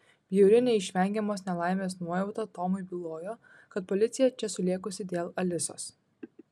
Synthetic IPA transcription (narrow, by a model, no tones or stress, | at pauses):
bʲjɛʊɾʲɪnʲeːɪʃʲʋʲɛˑŋʲɡʲɛmoːsnʲɛlˠɑˑɪmʲeːsnuɔjɛʊt̪ɐt̪ɔmʊɪbʲɪlˠoːjoː | kɐt̪̚pɔlʲɪt̪sʲɪjɛt͡ʃʲɛsʊlʲiɛkʊsʲɪd̪ʲeːlˠɐlʲɪso̰ːs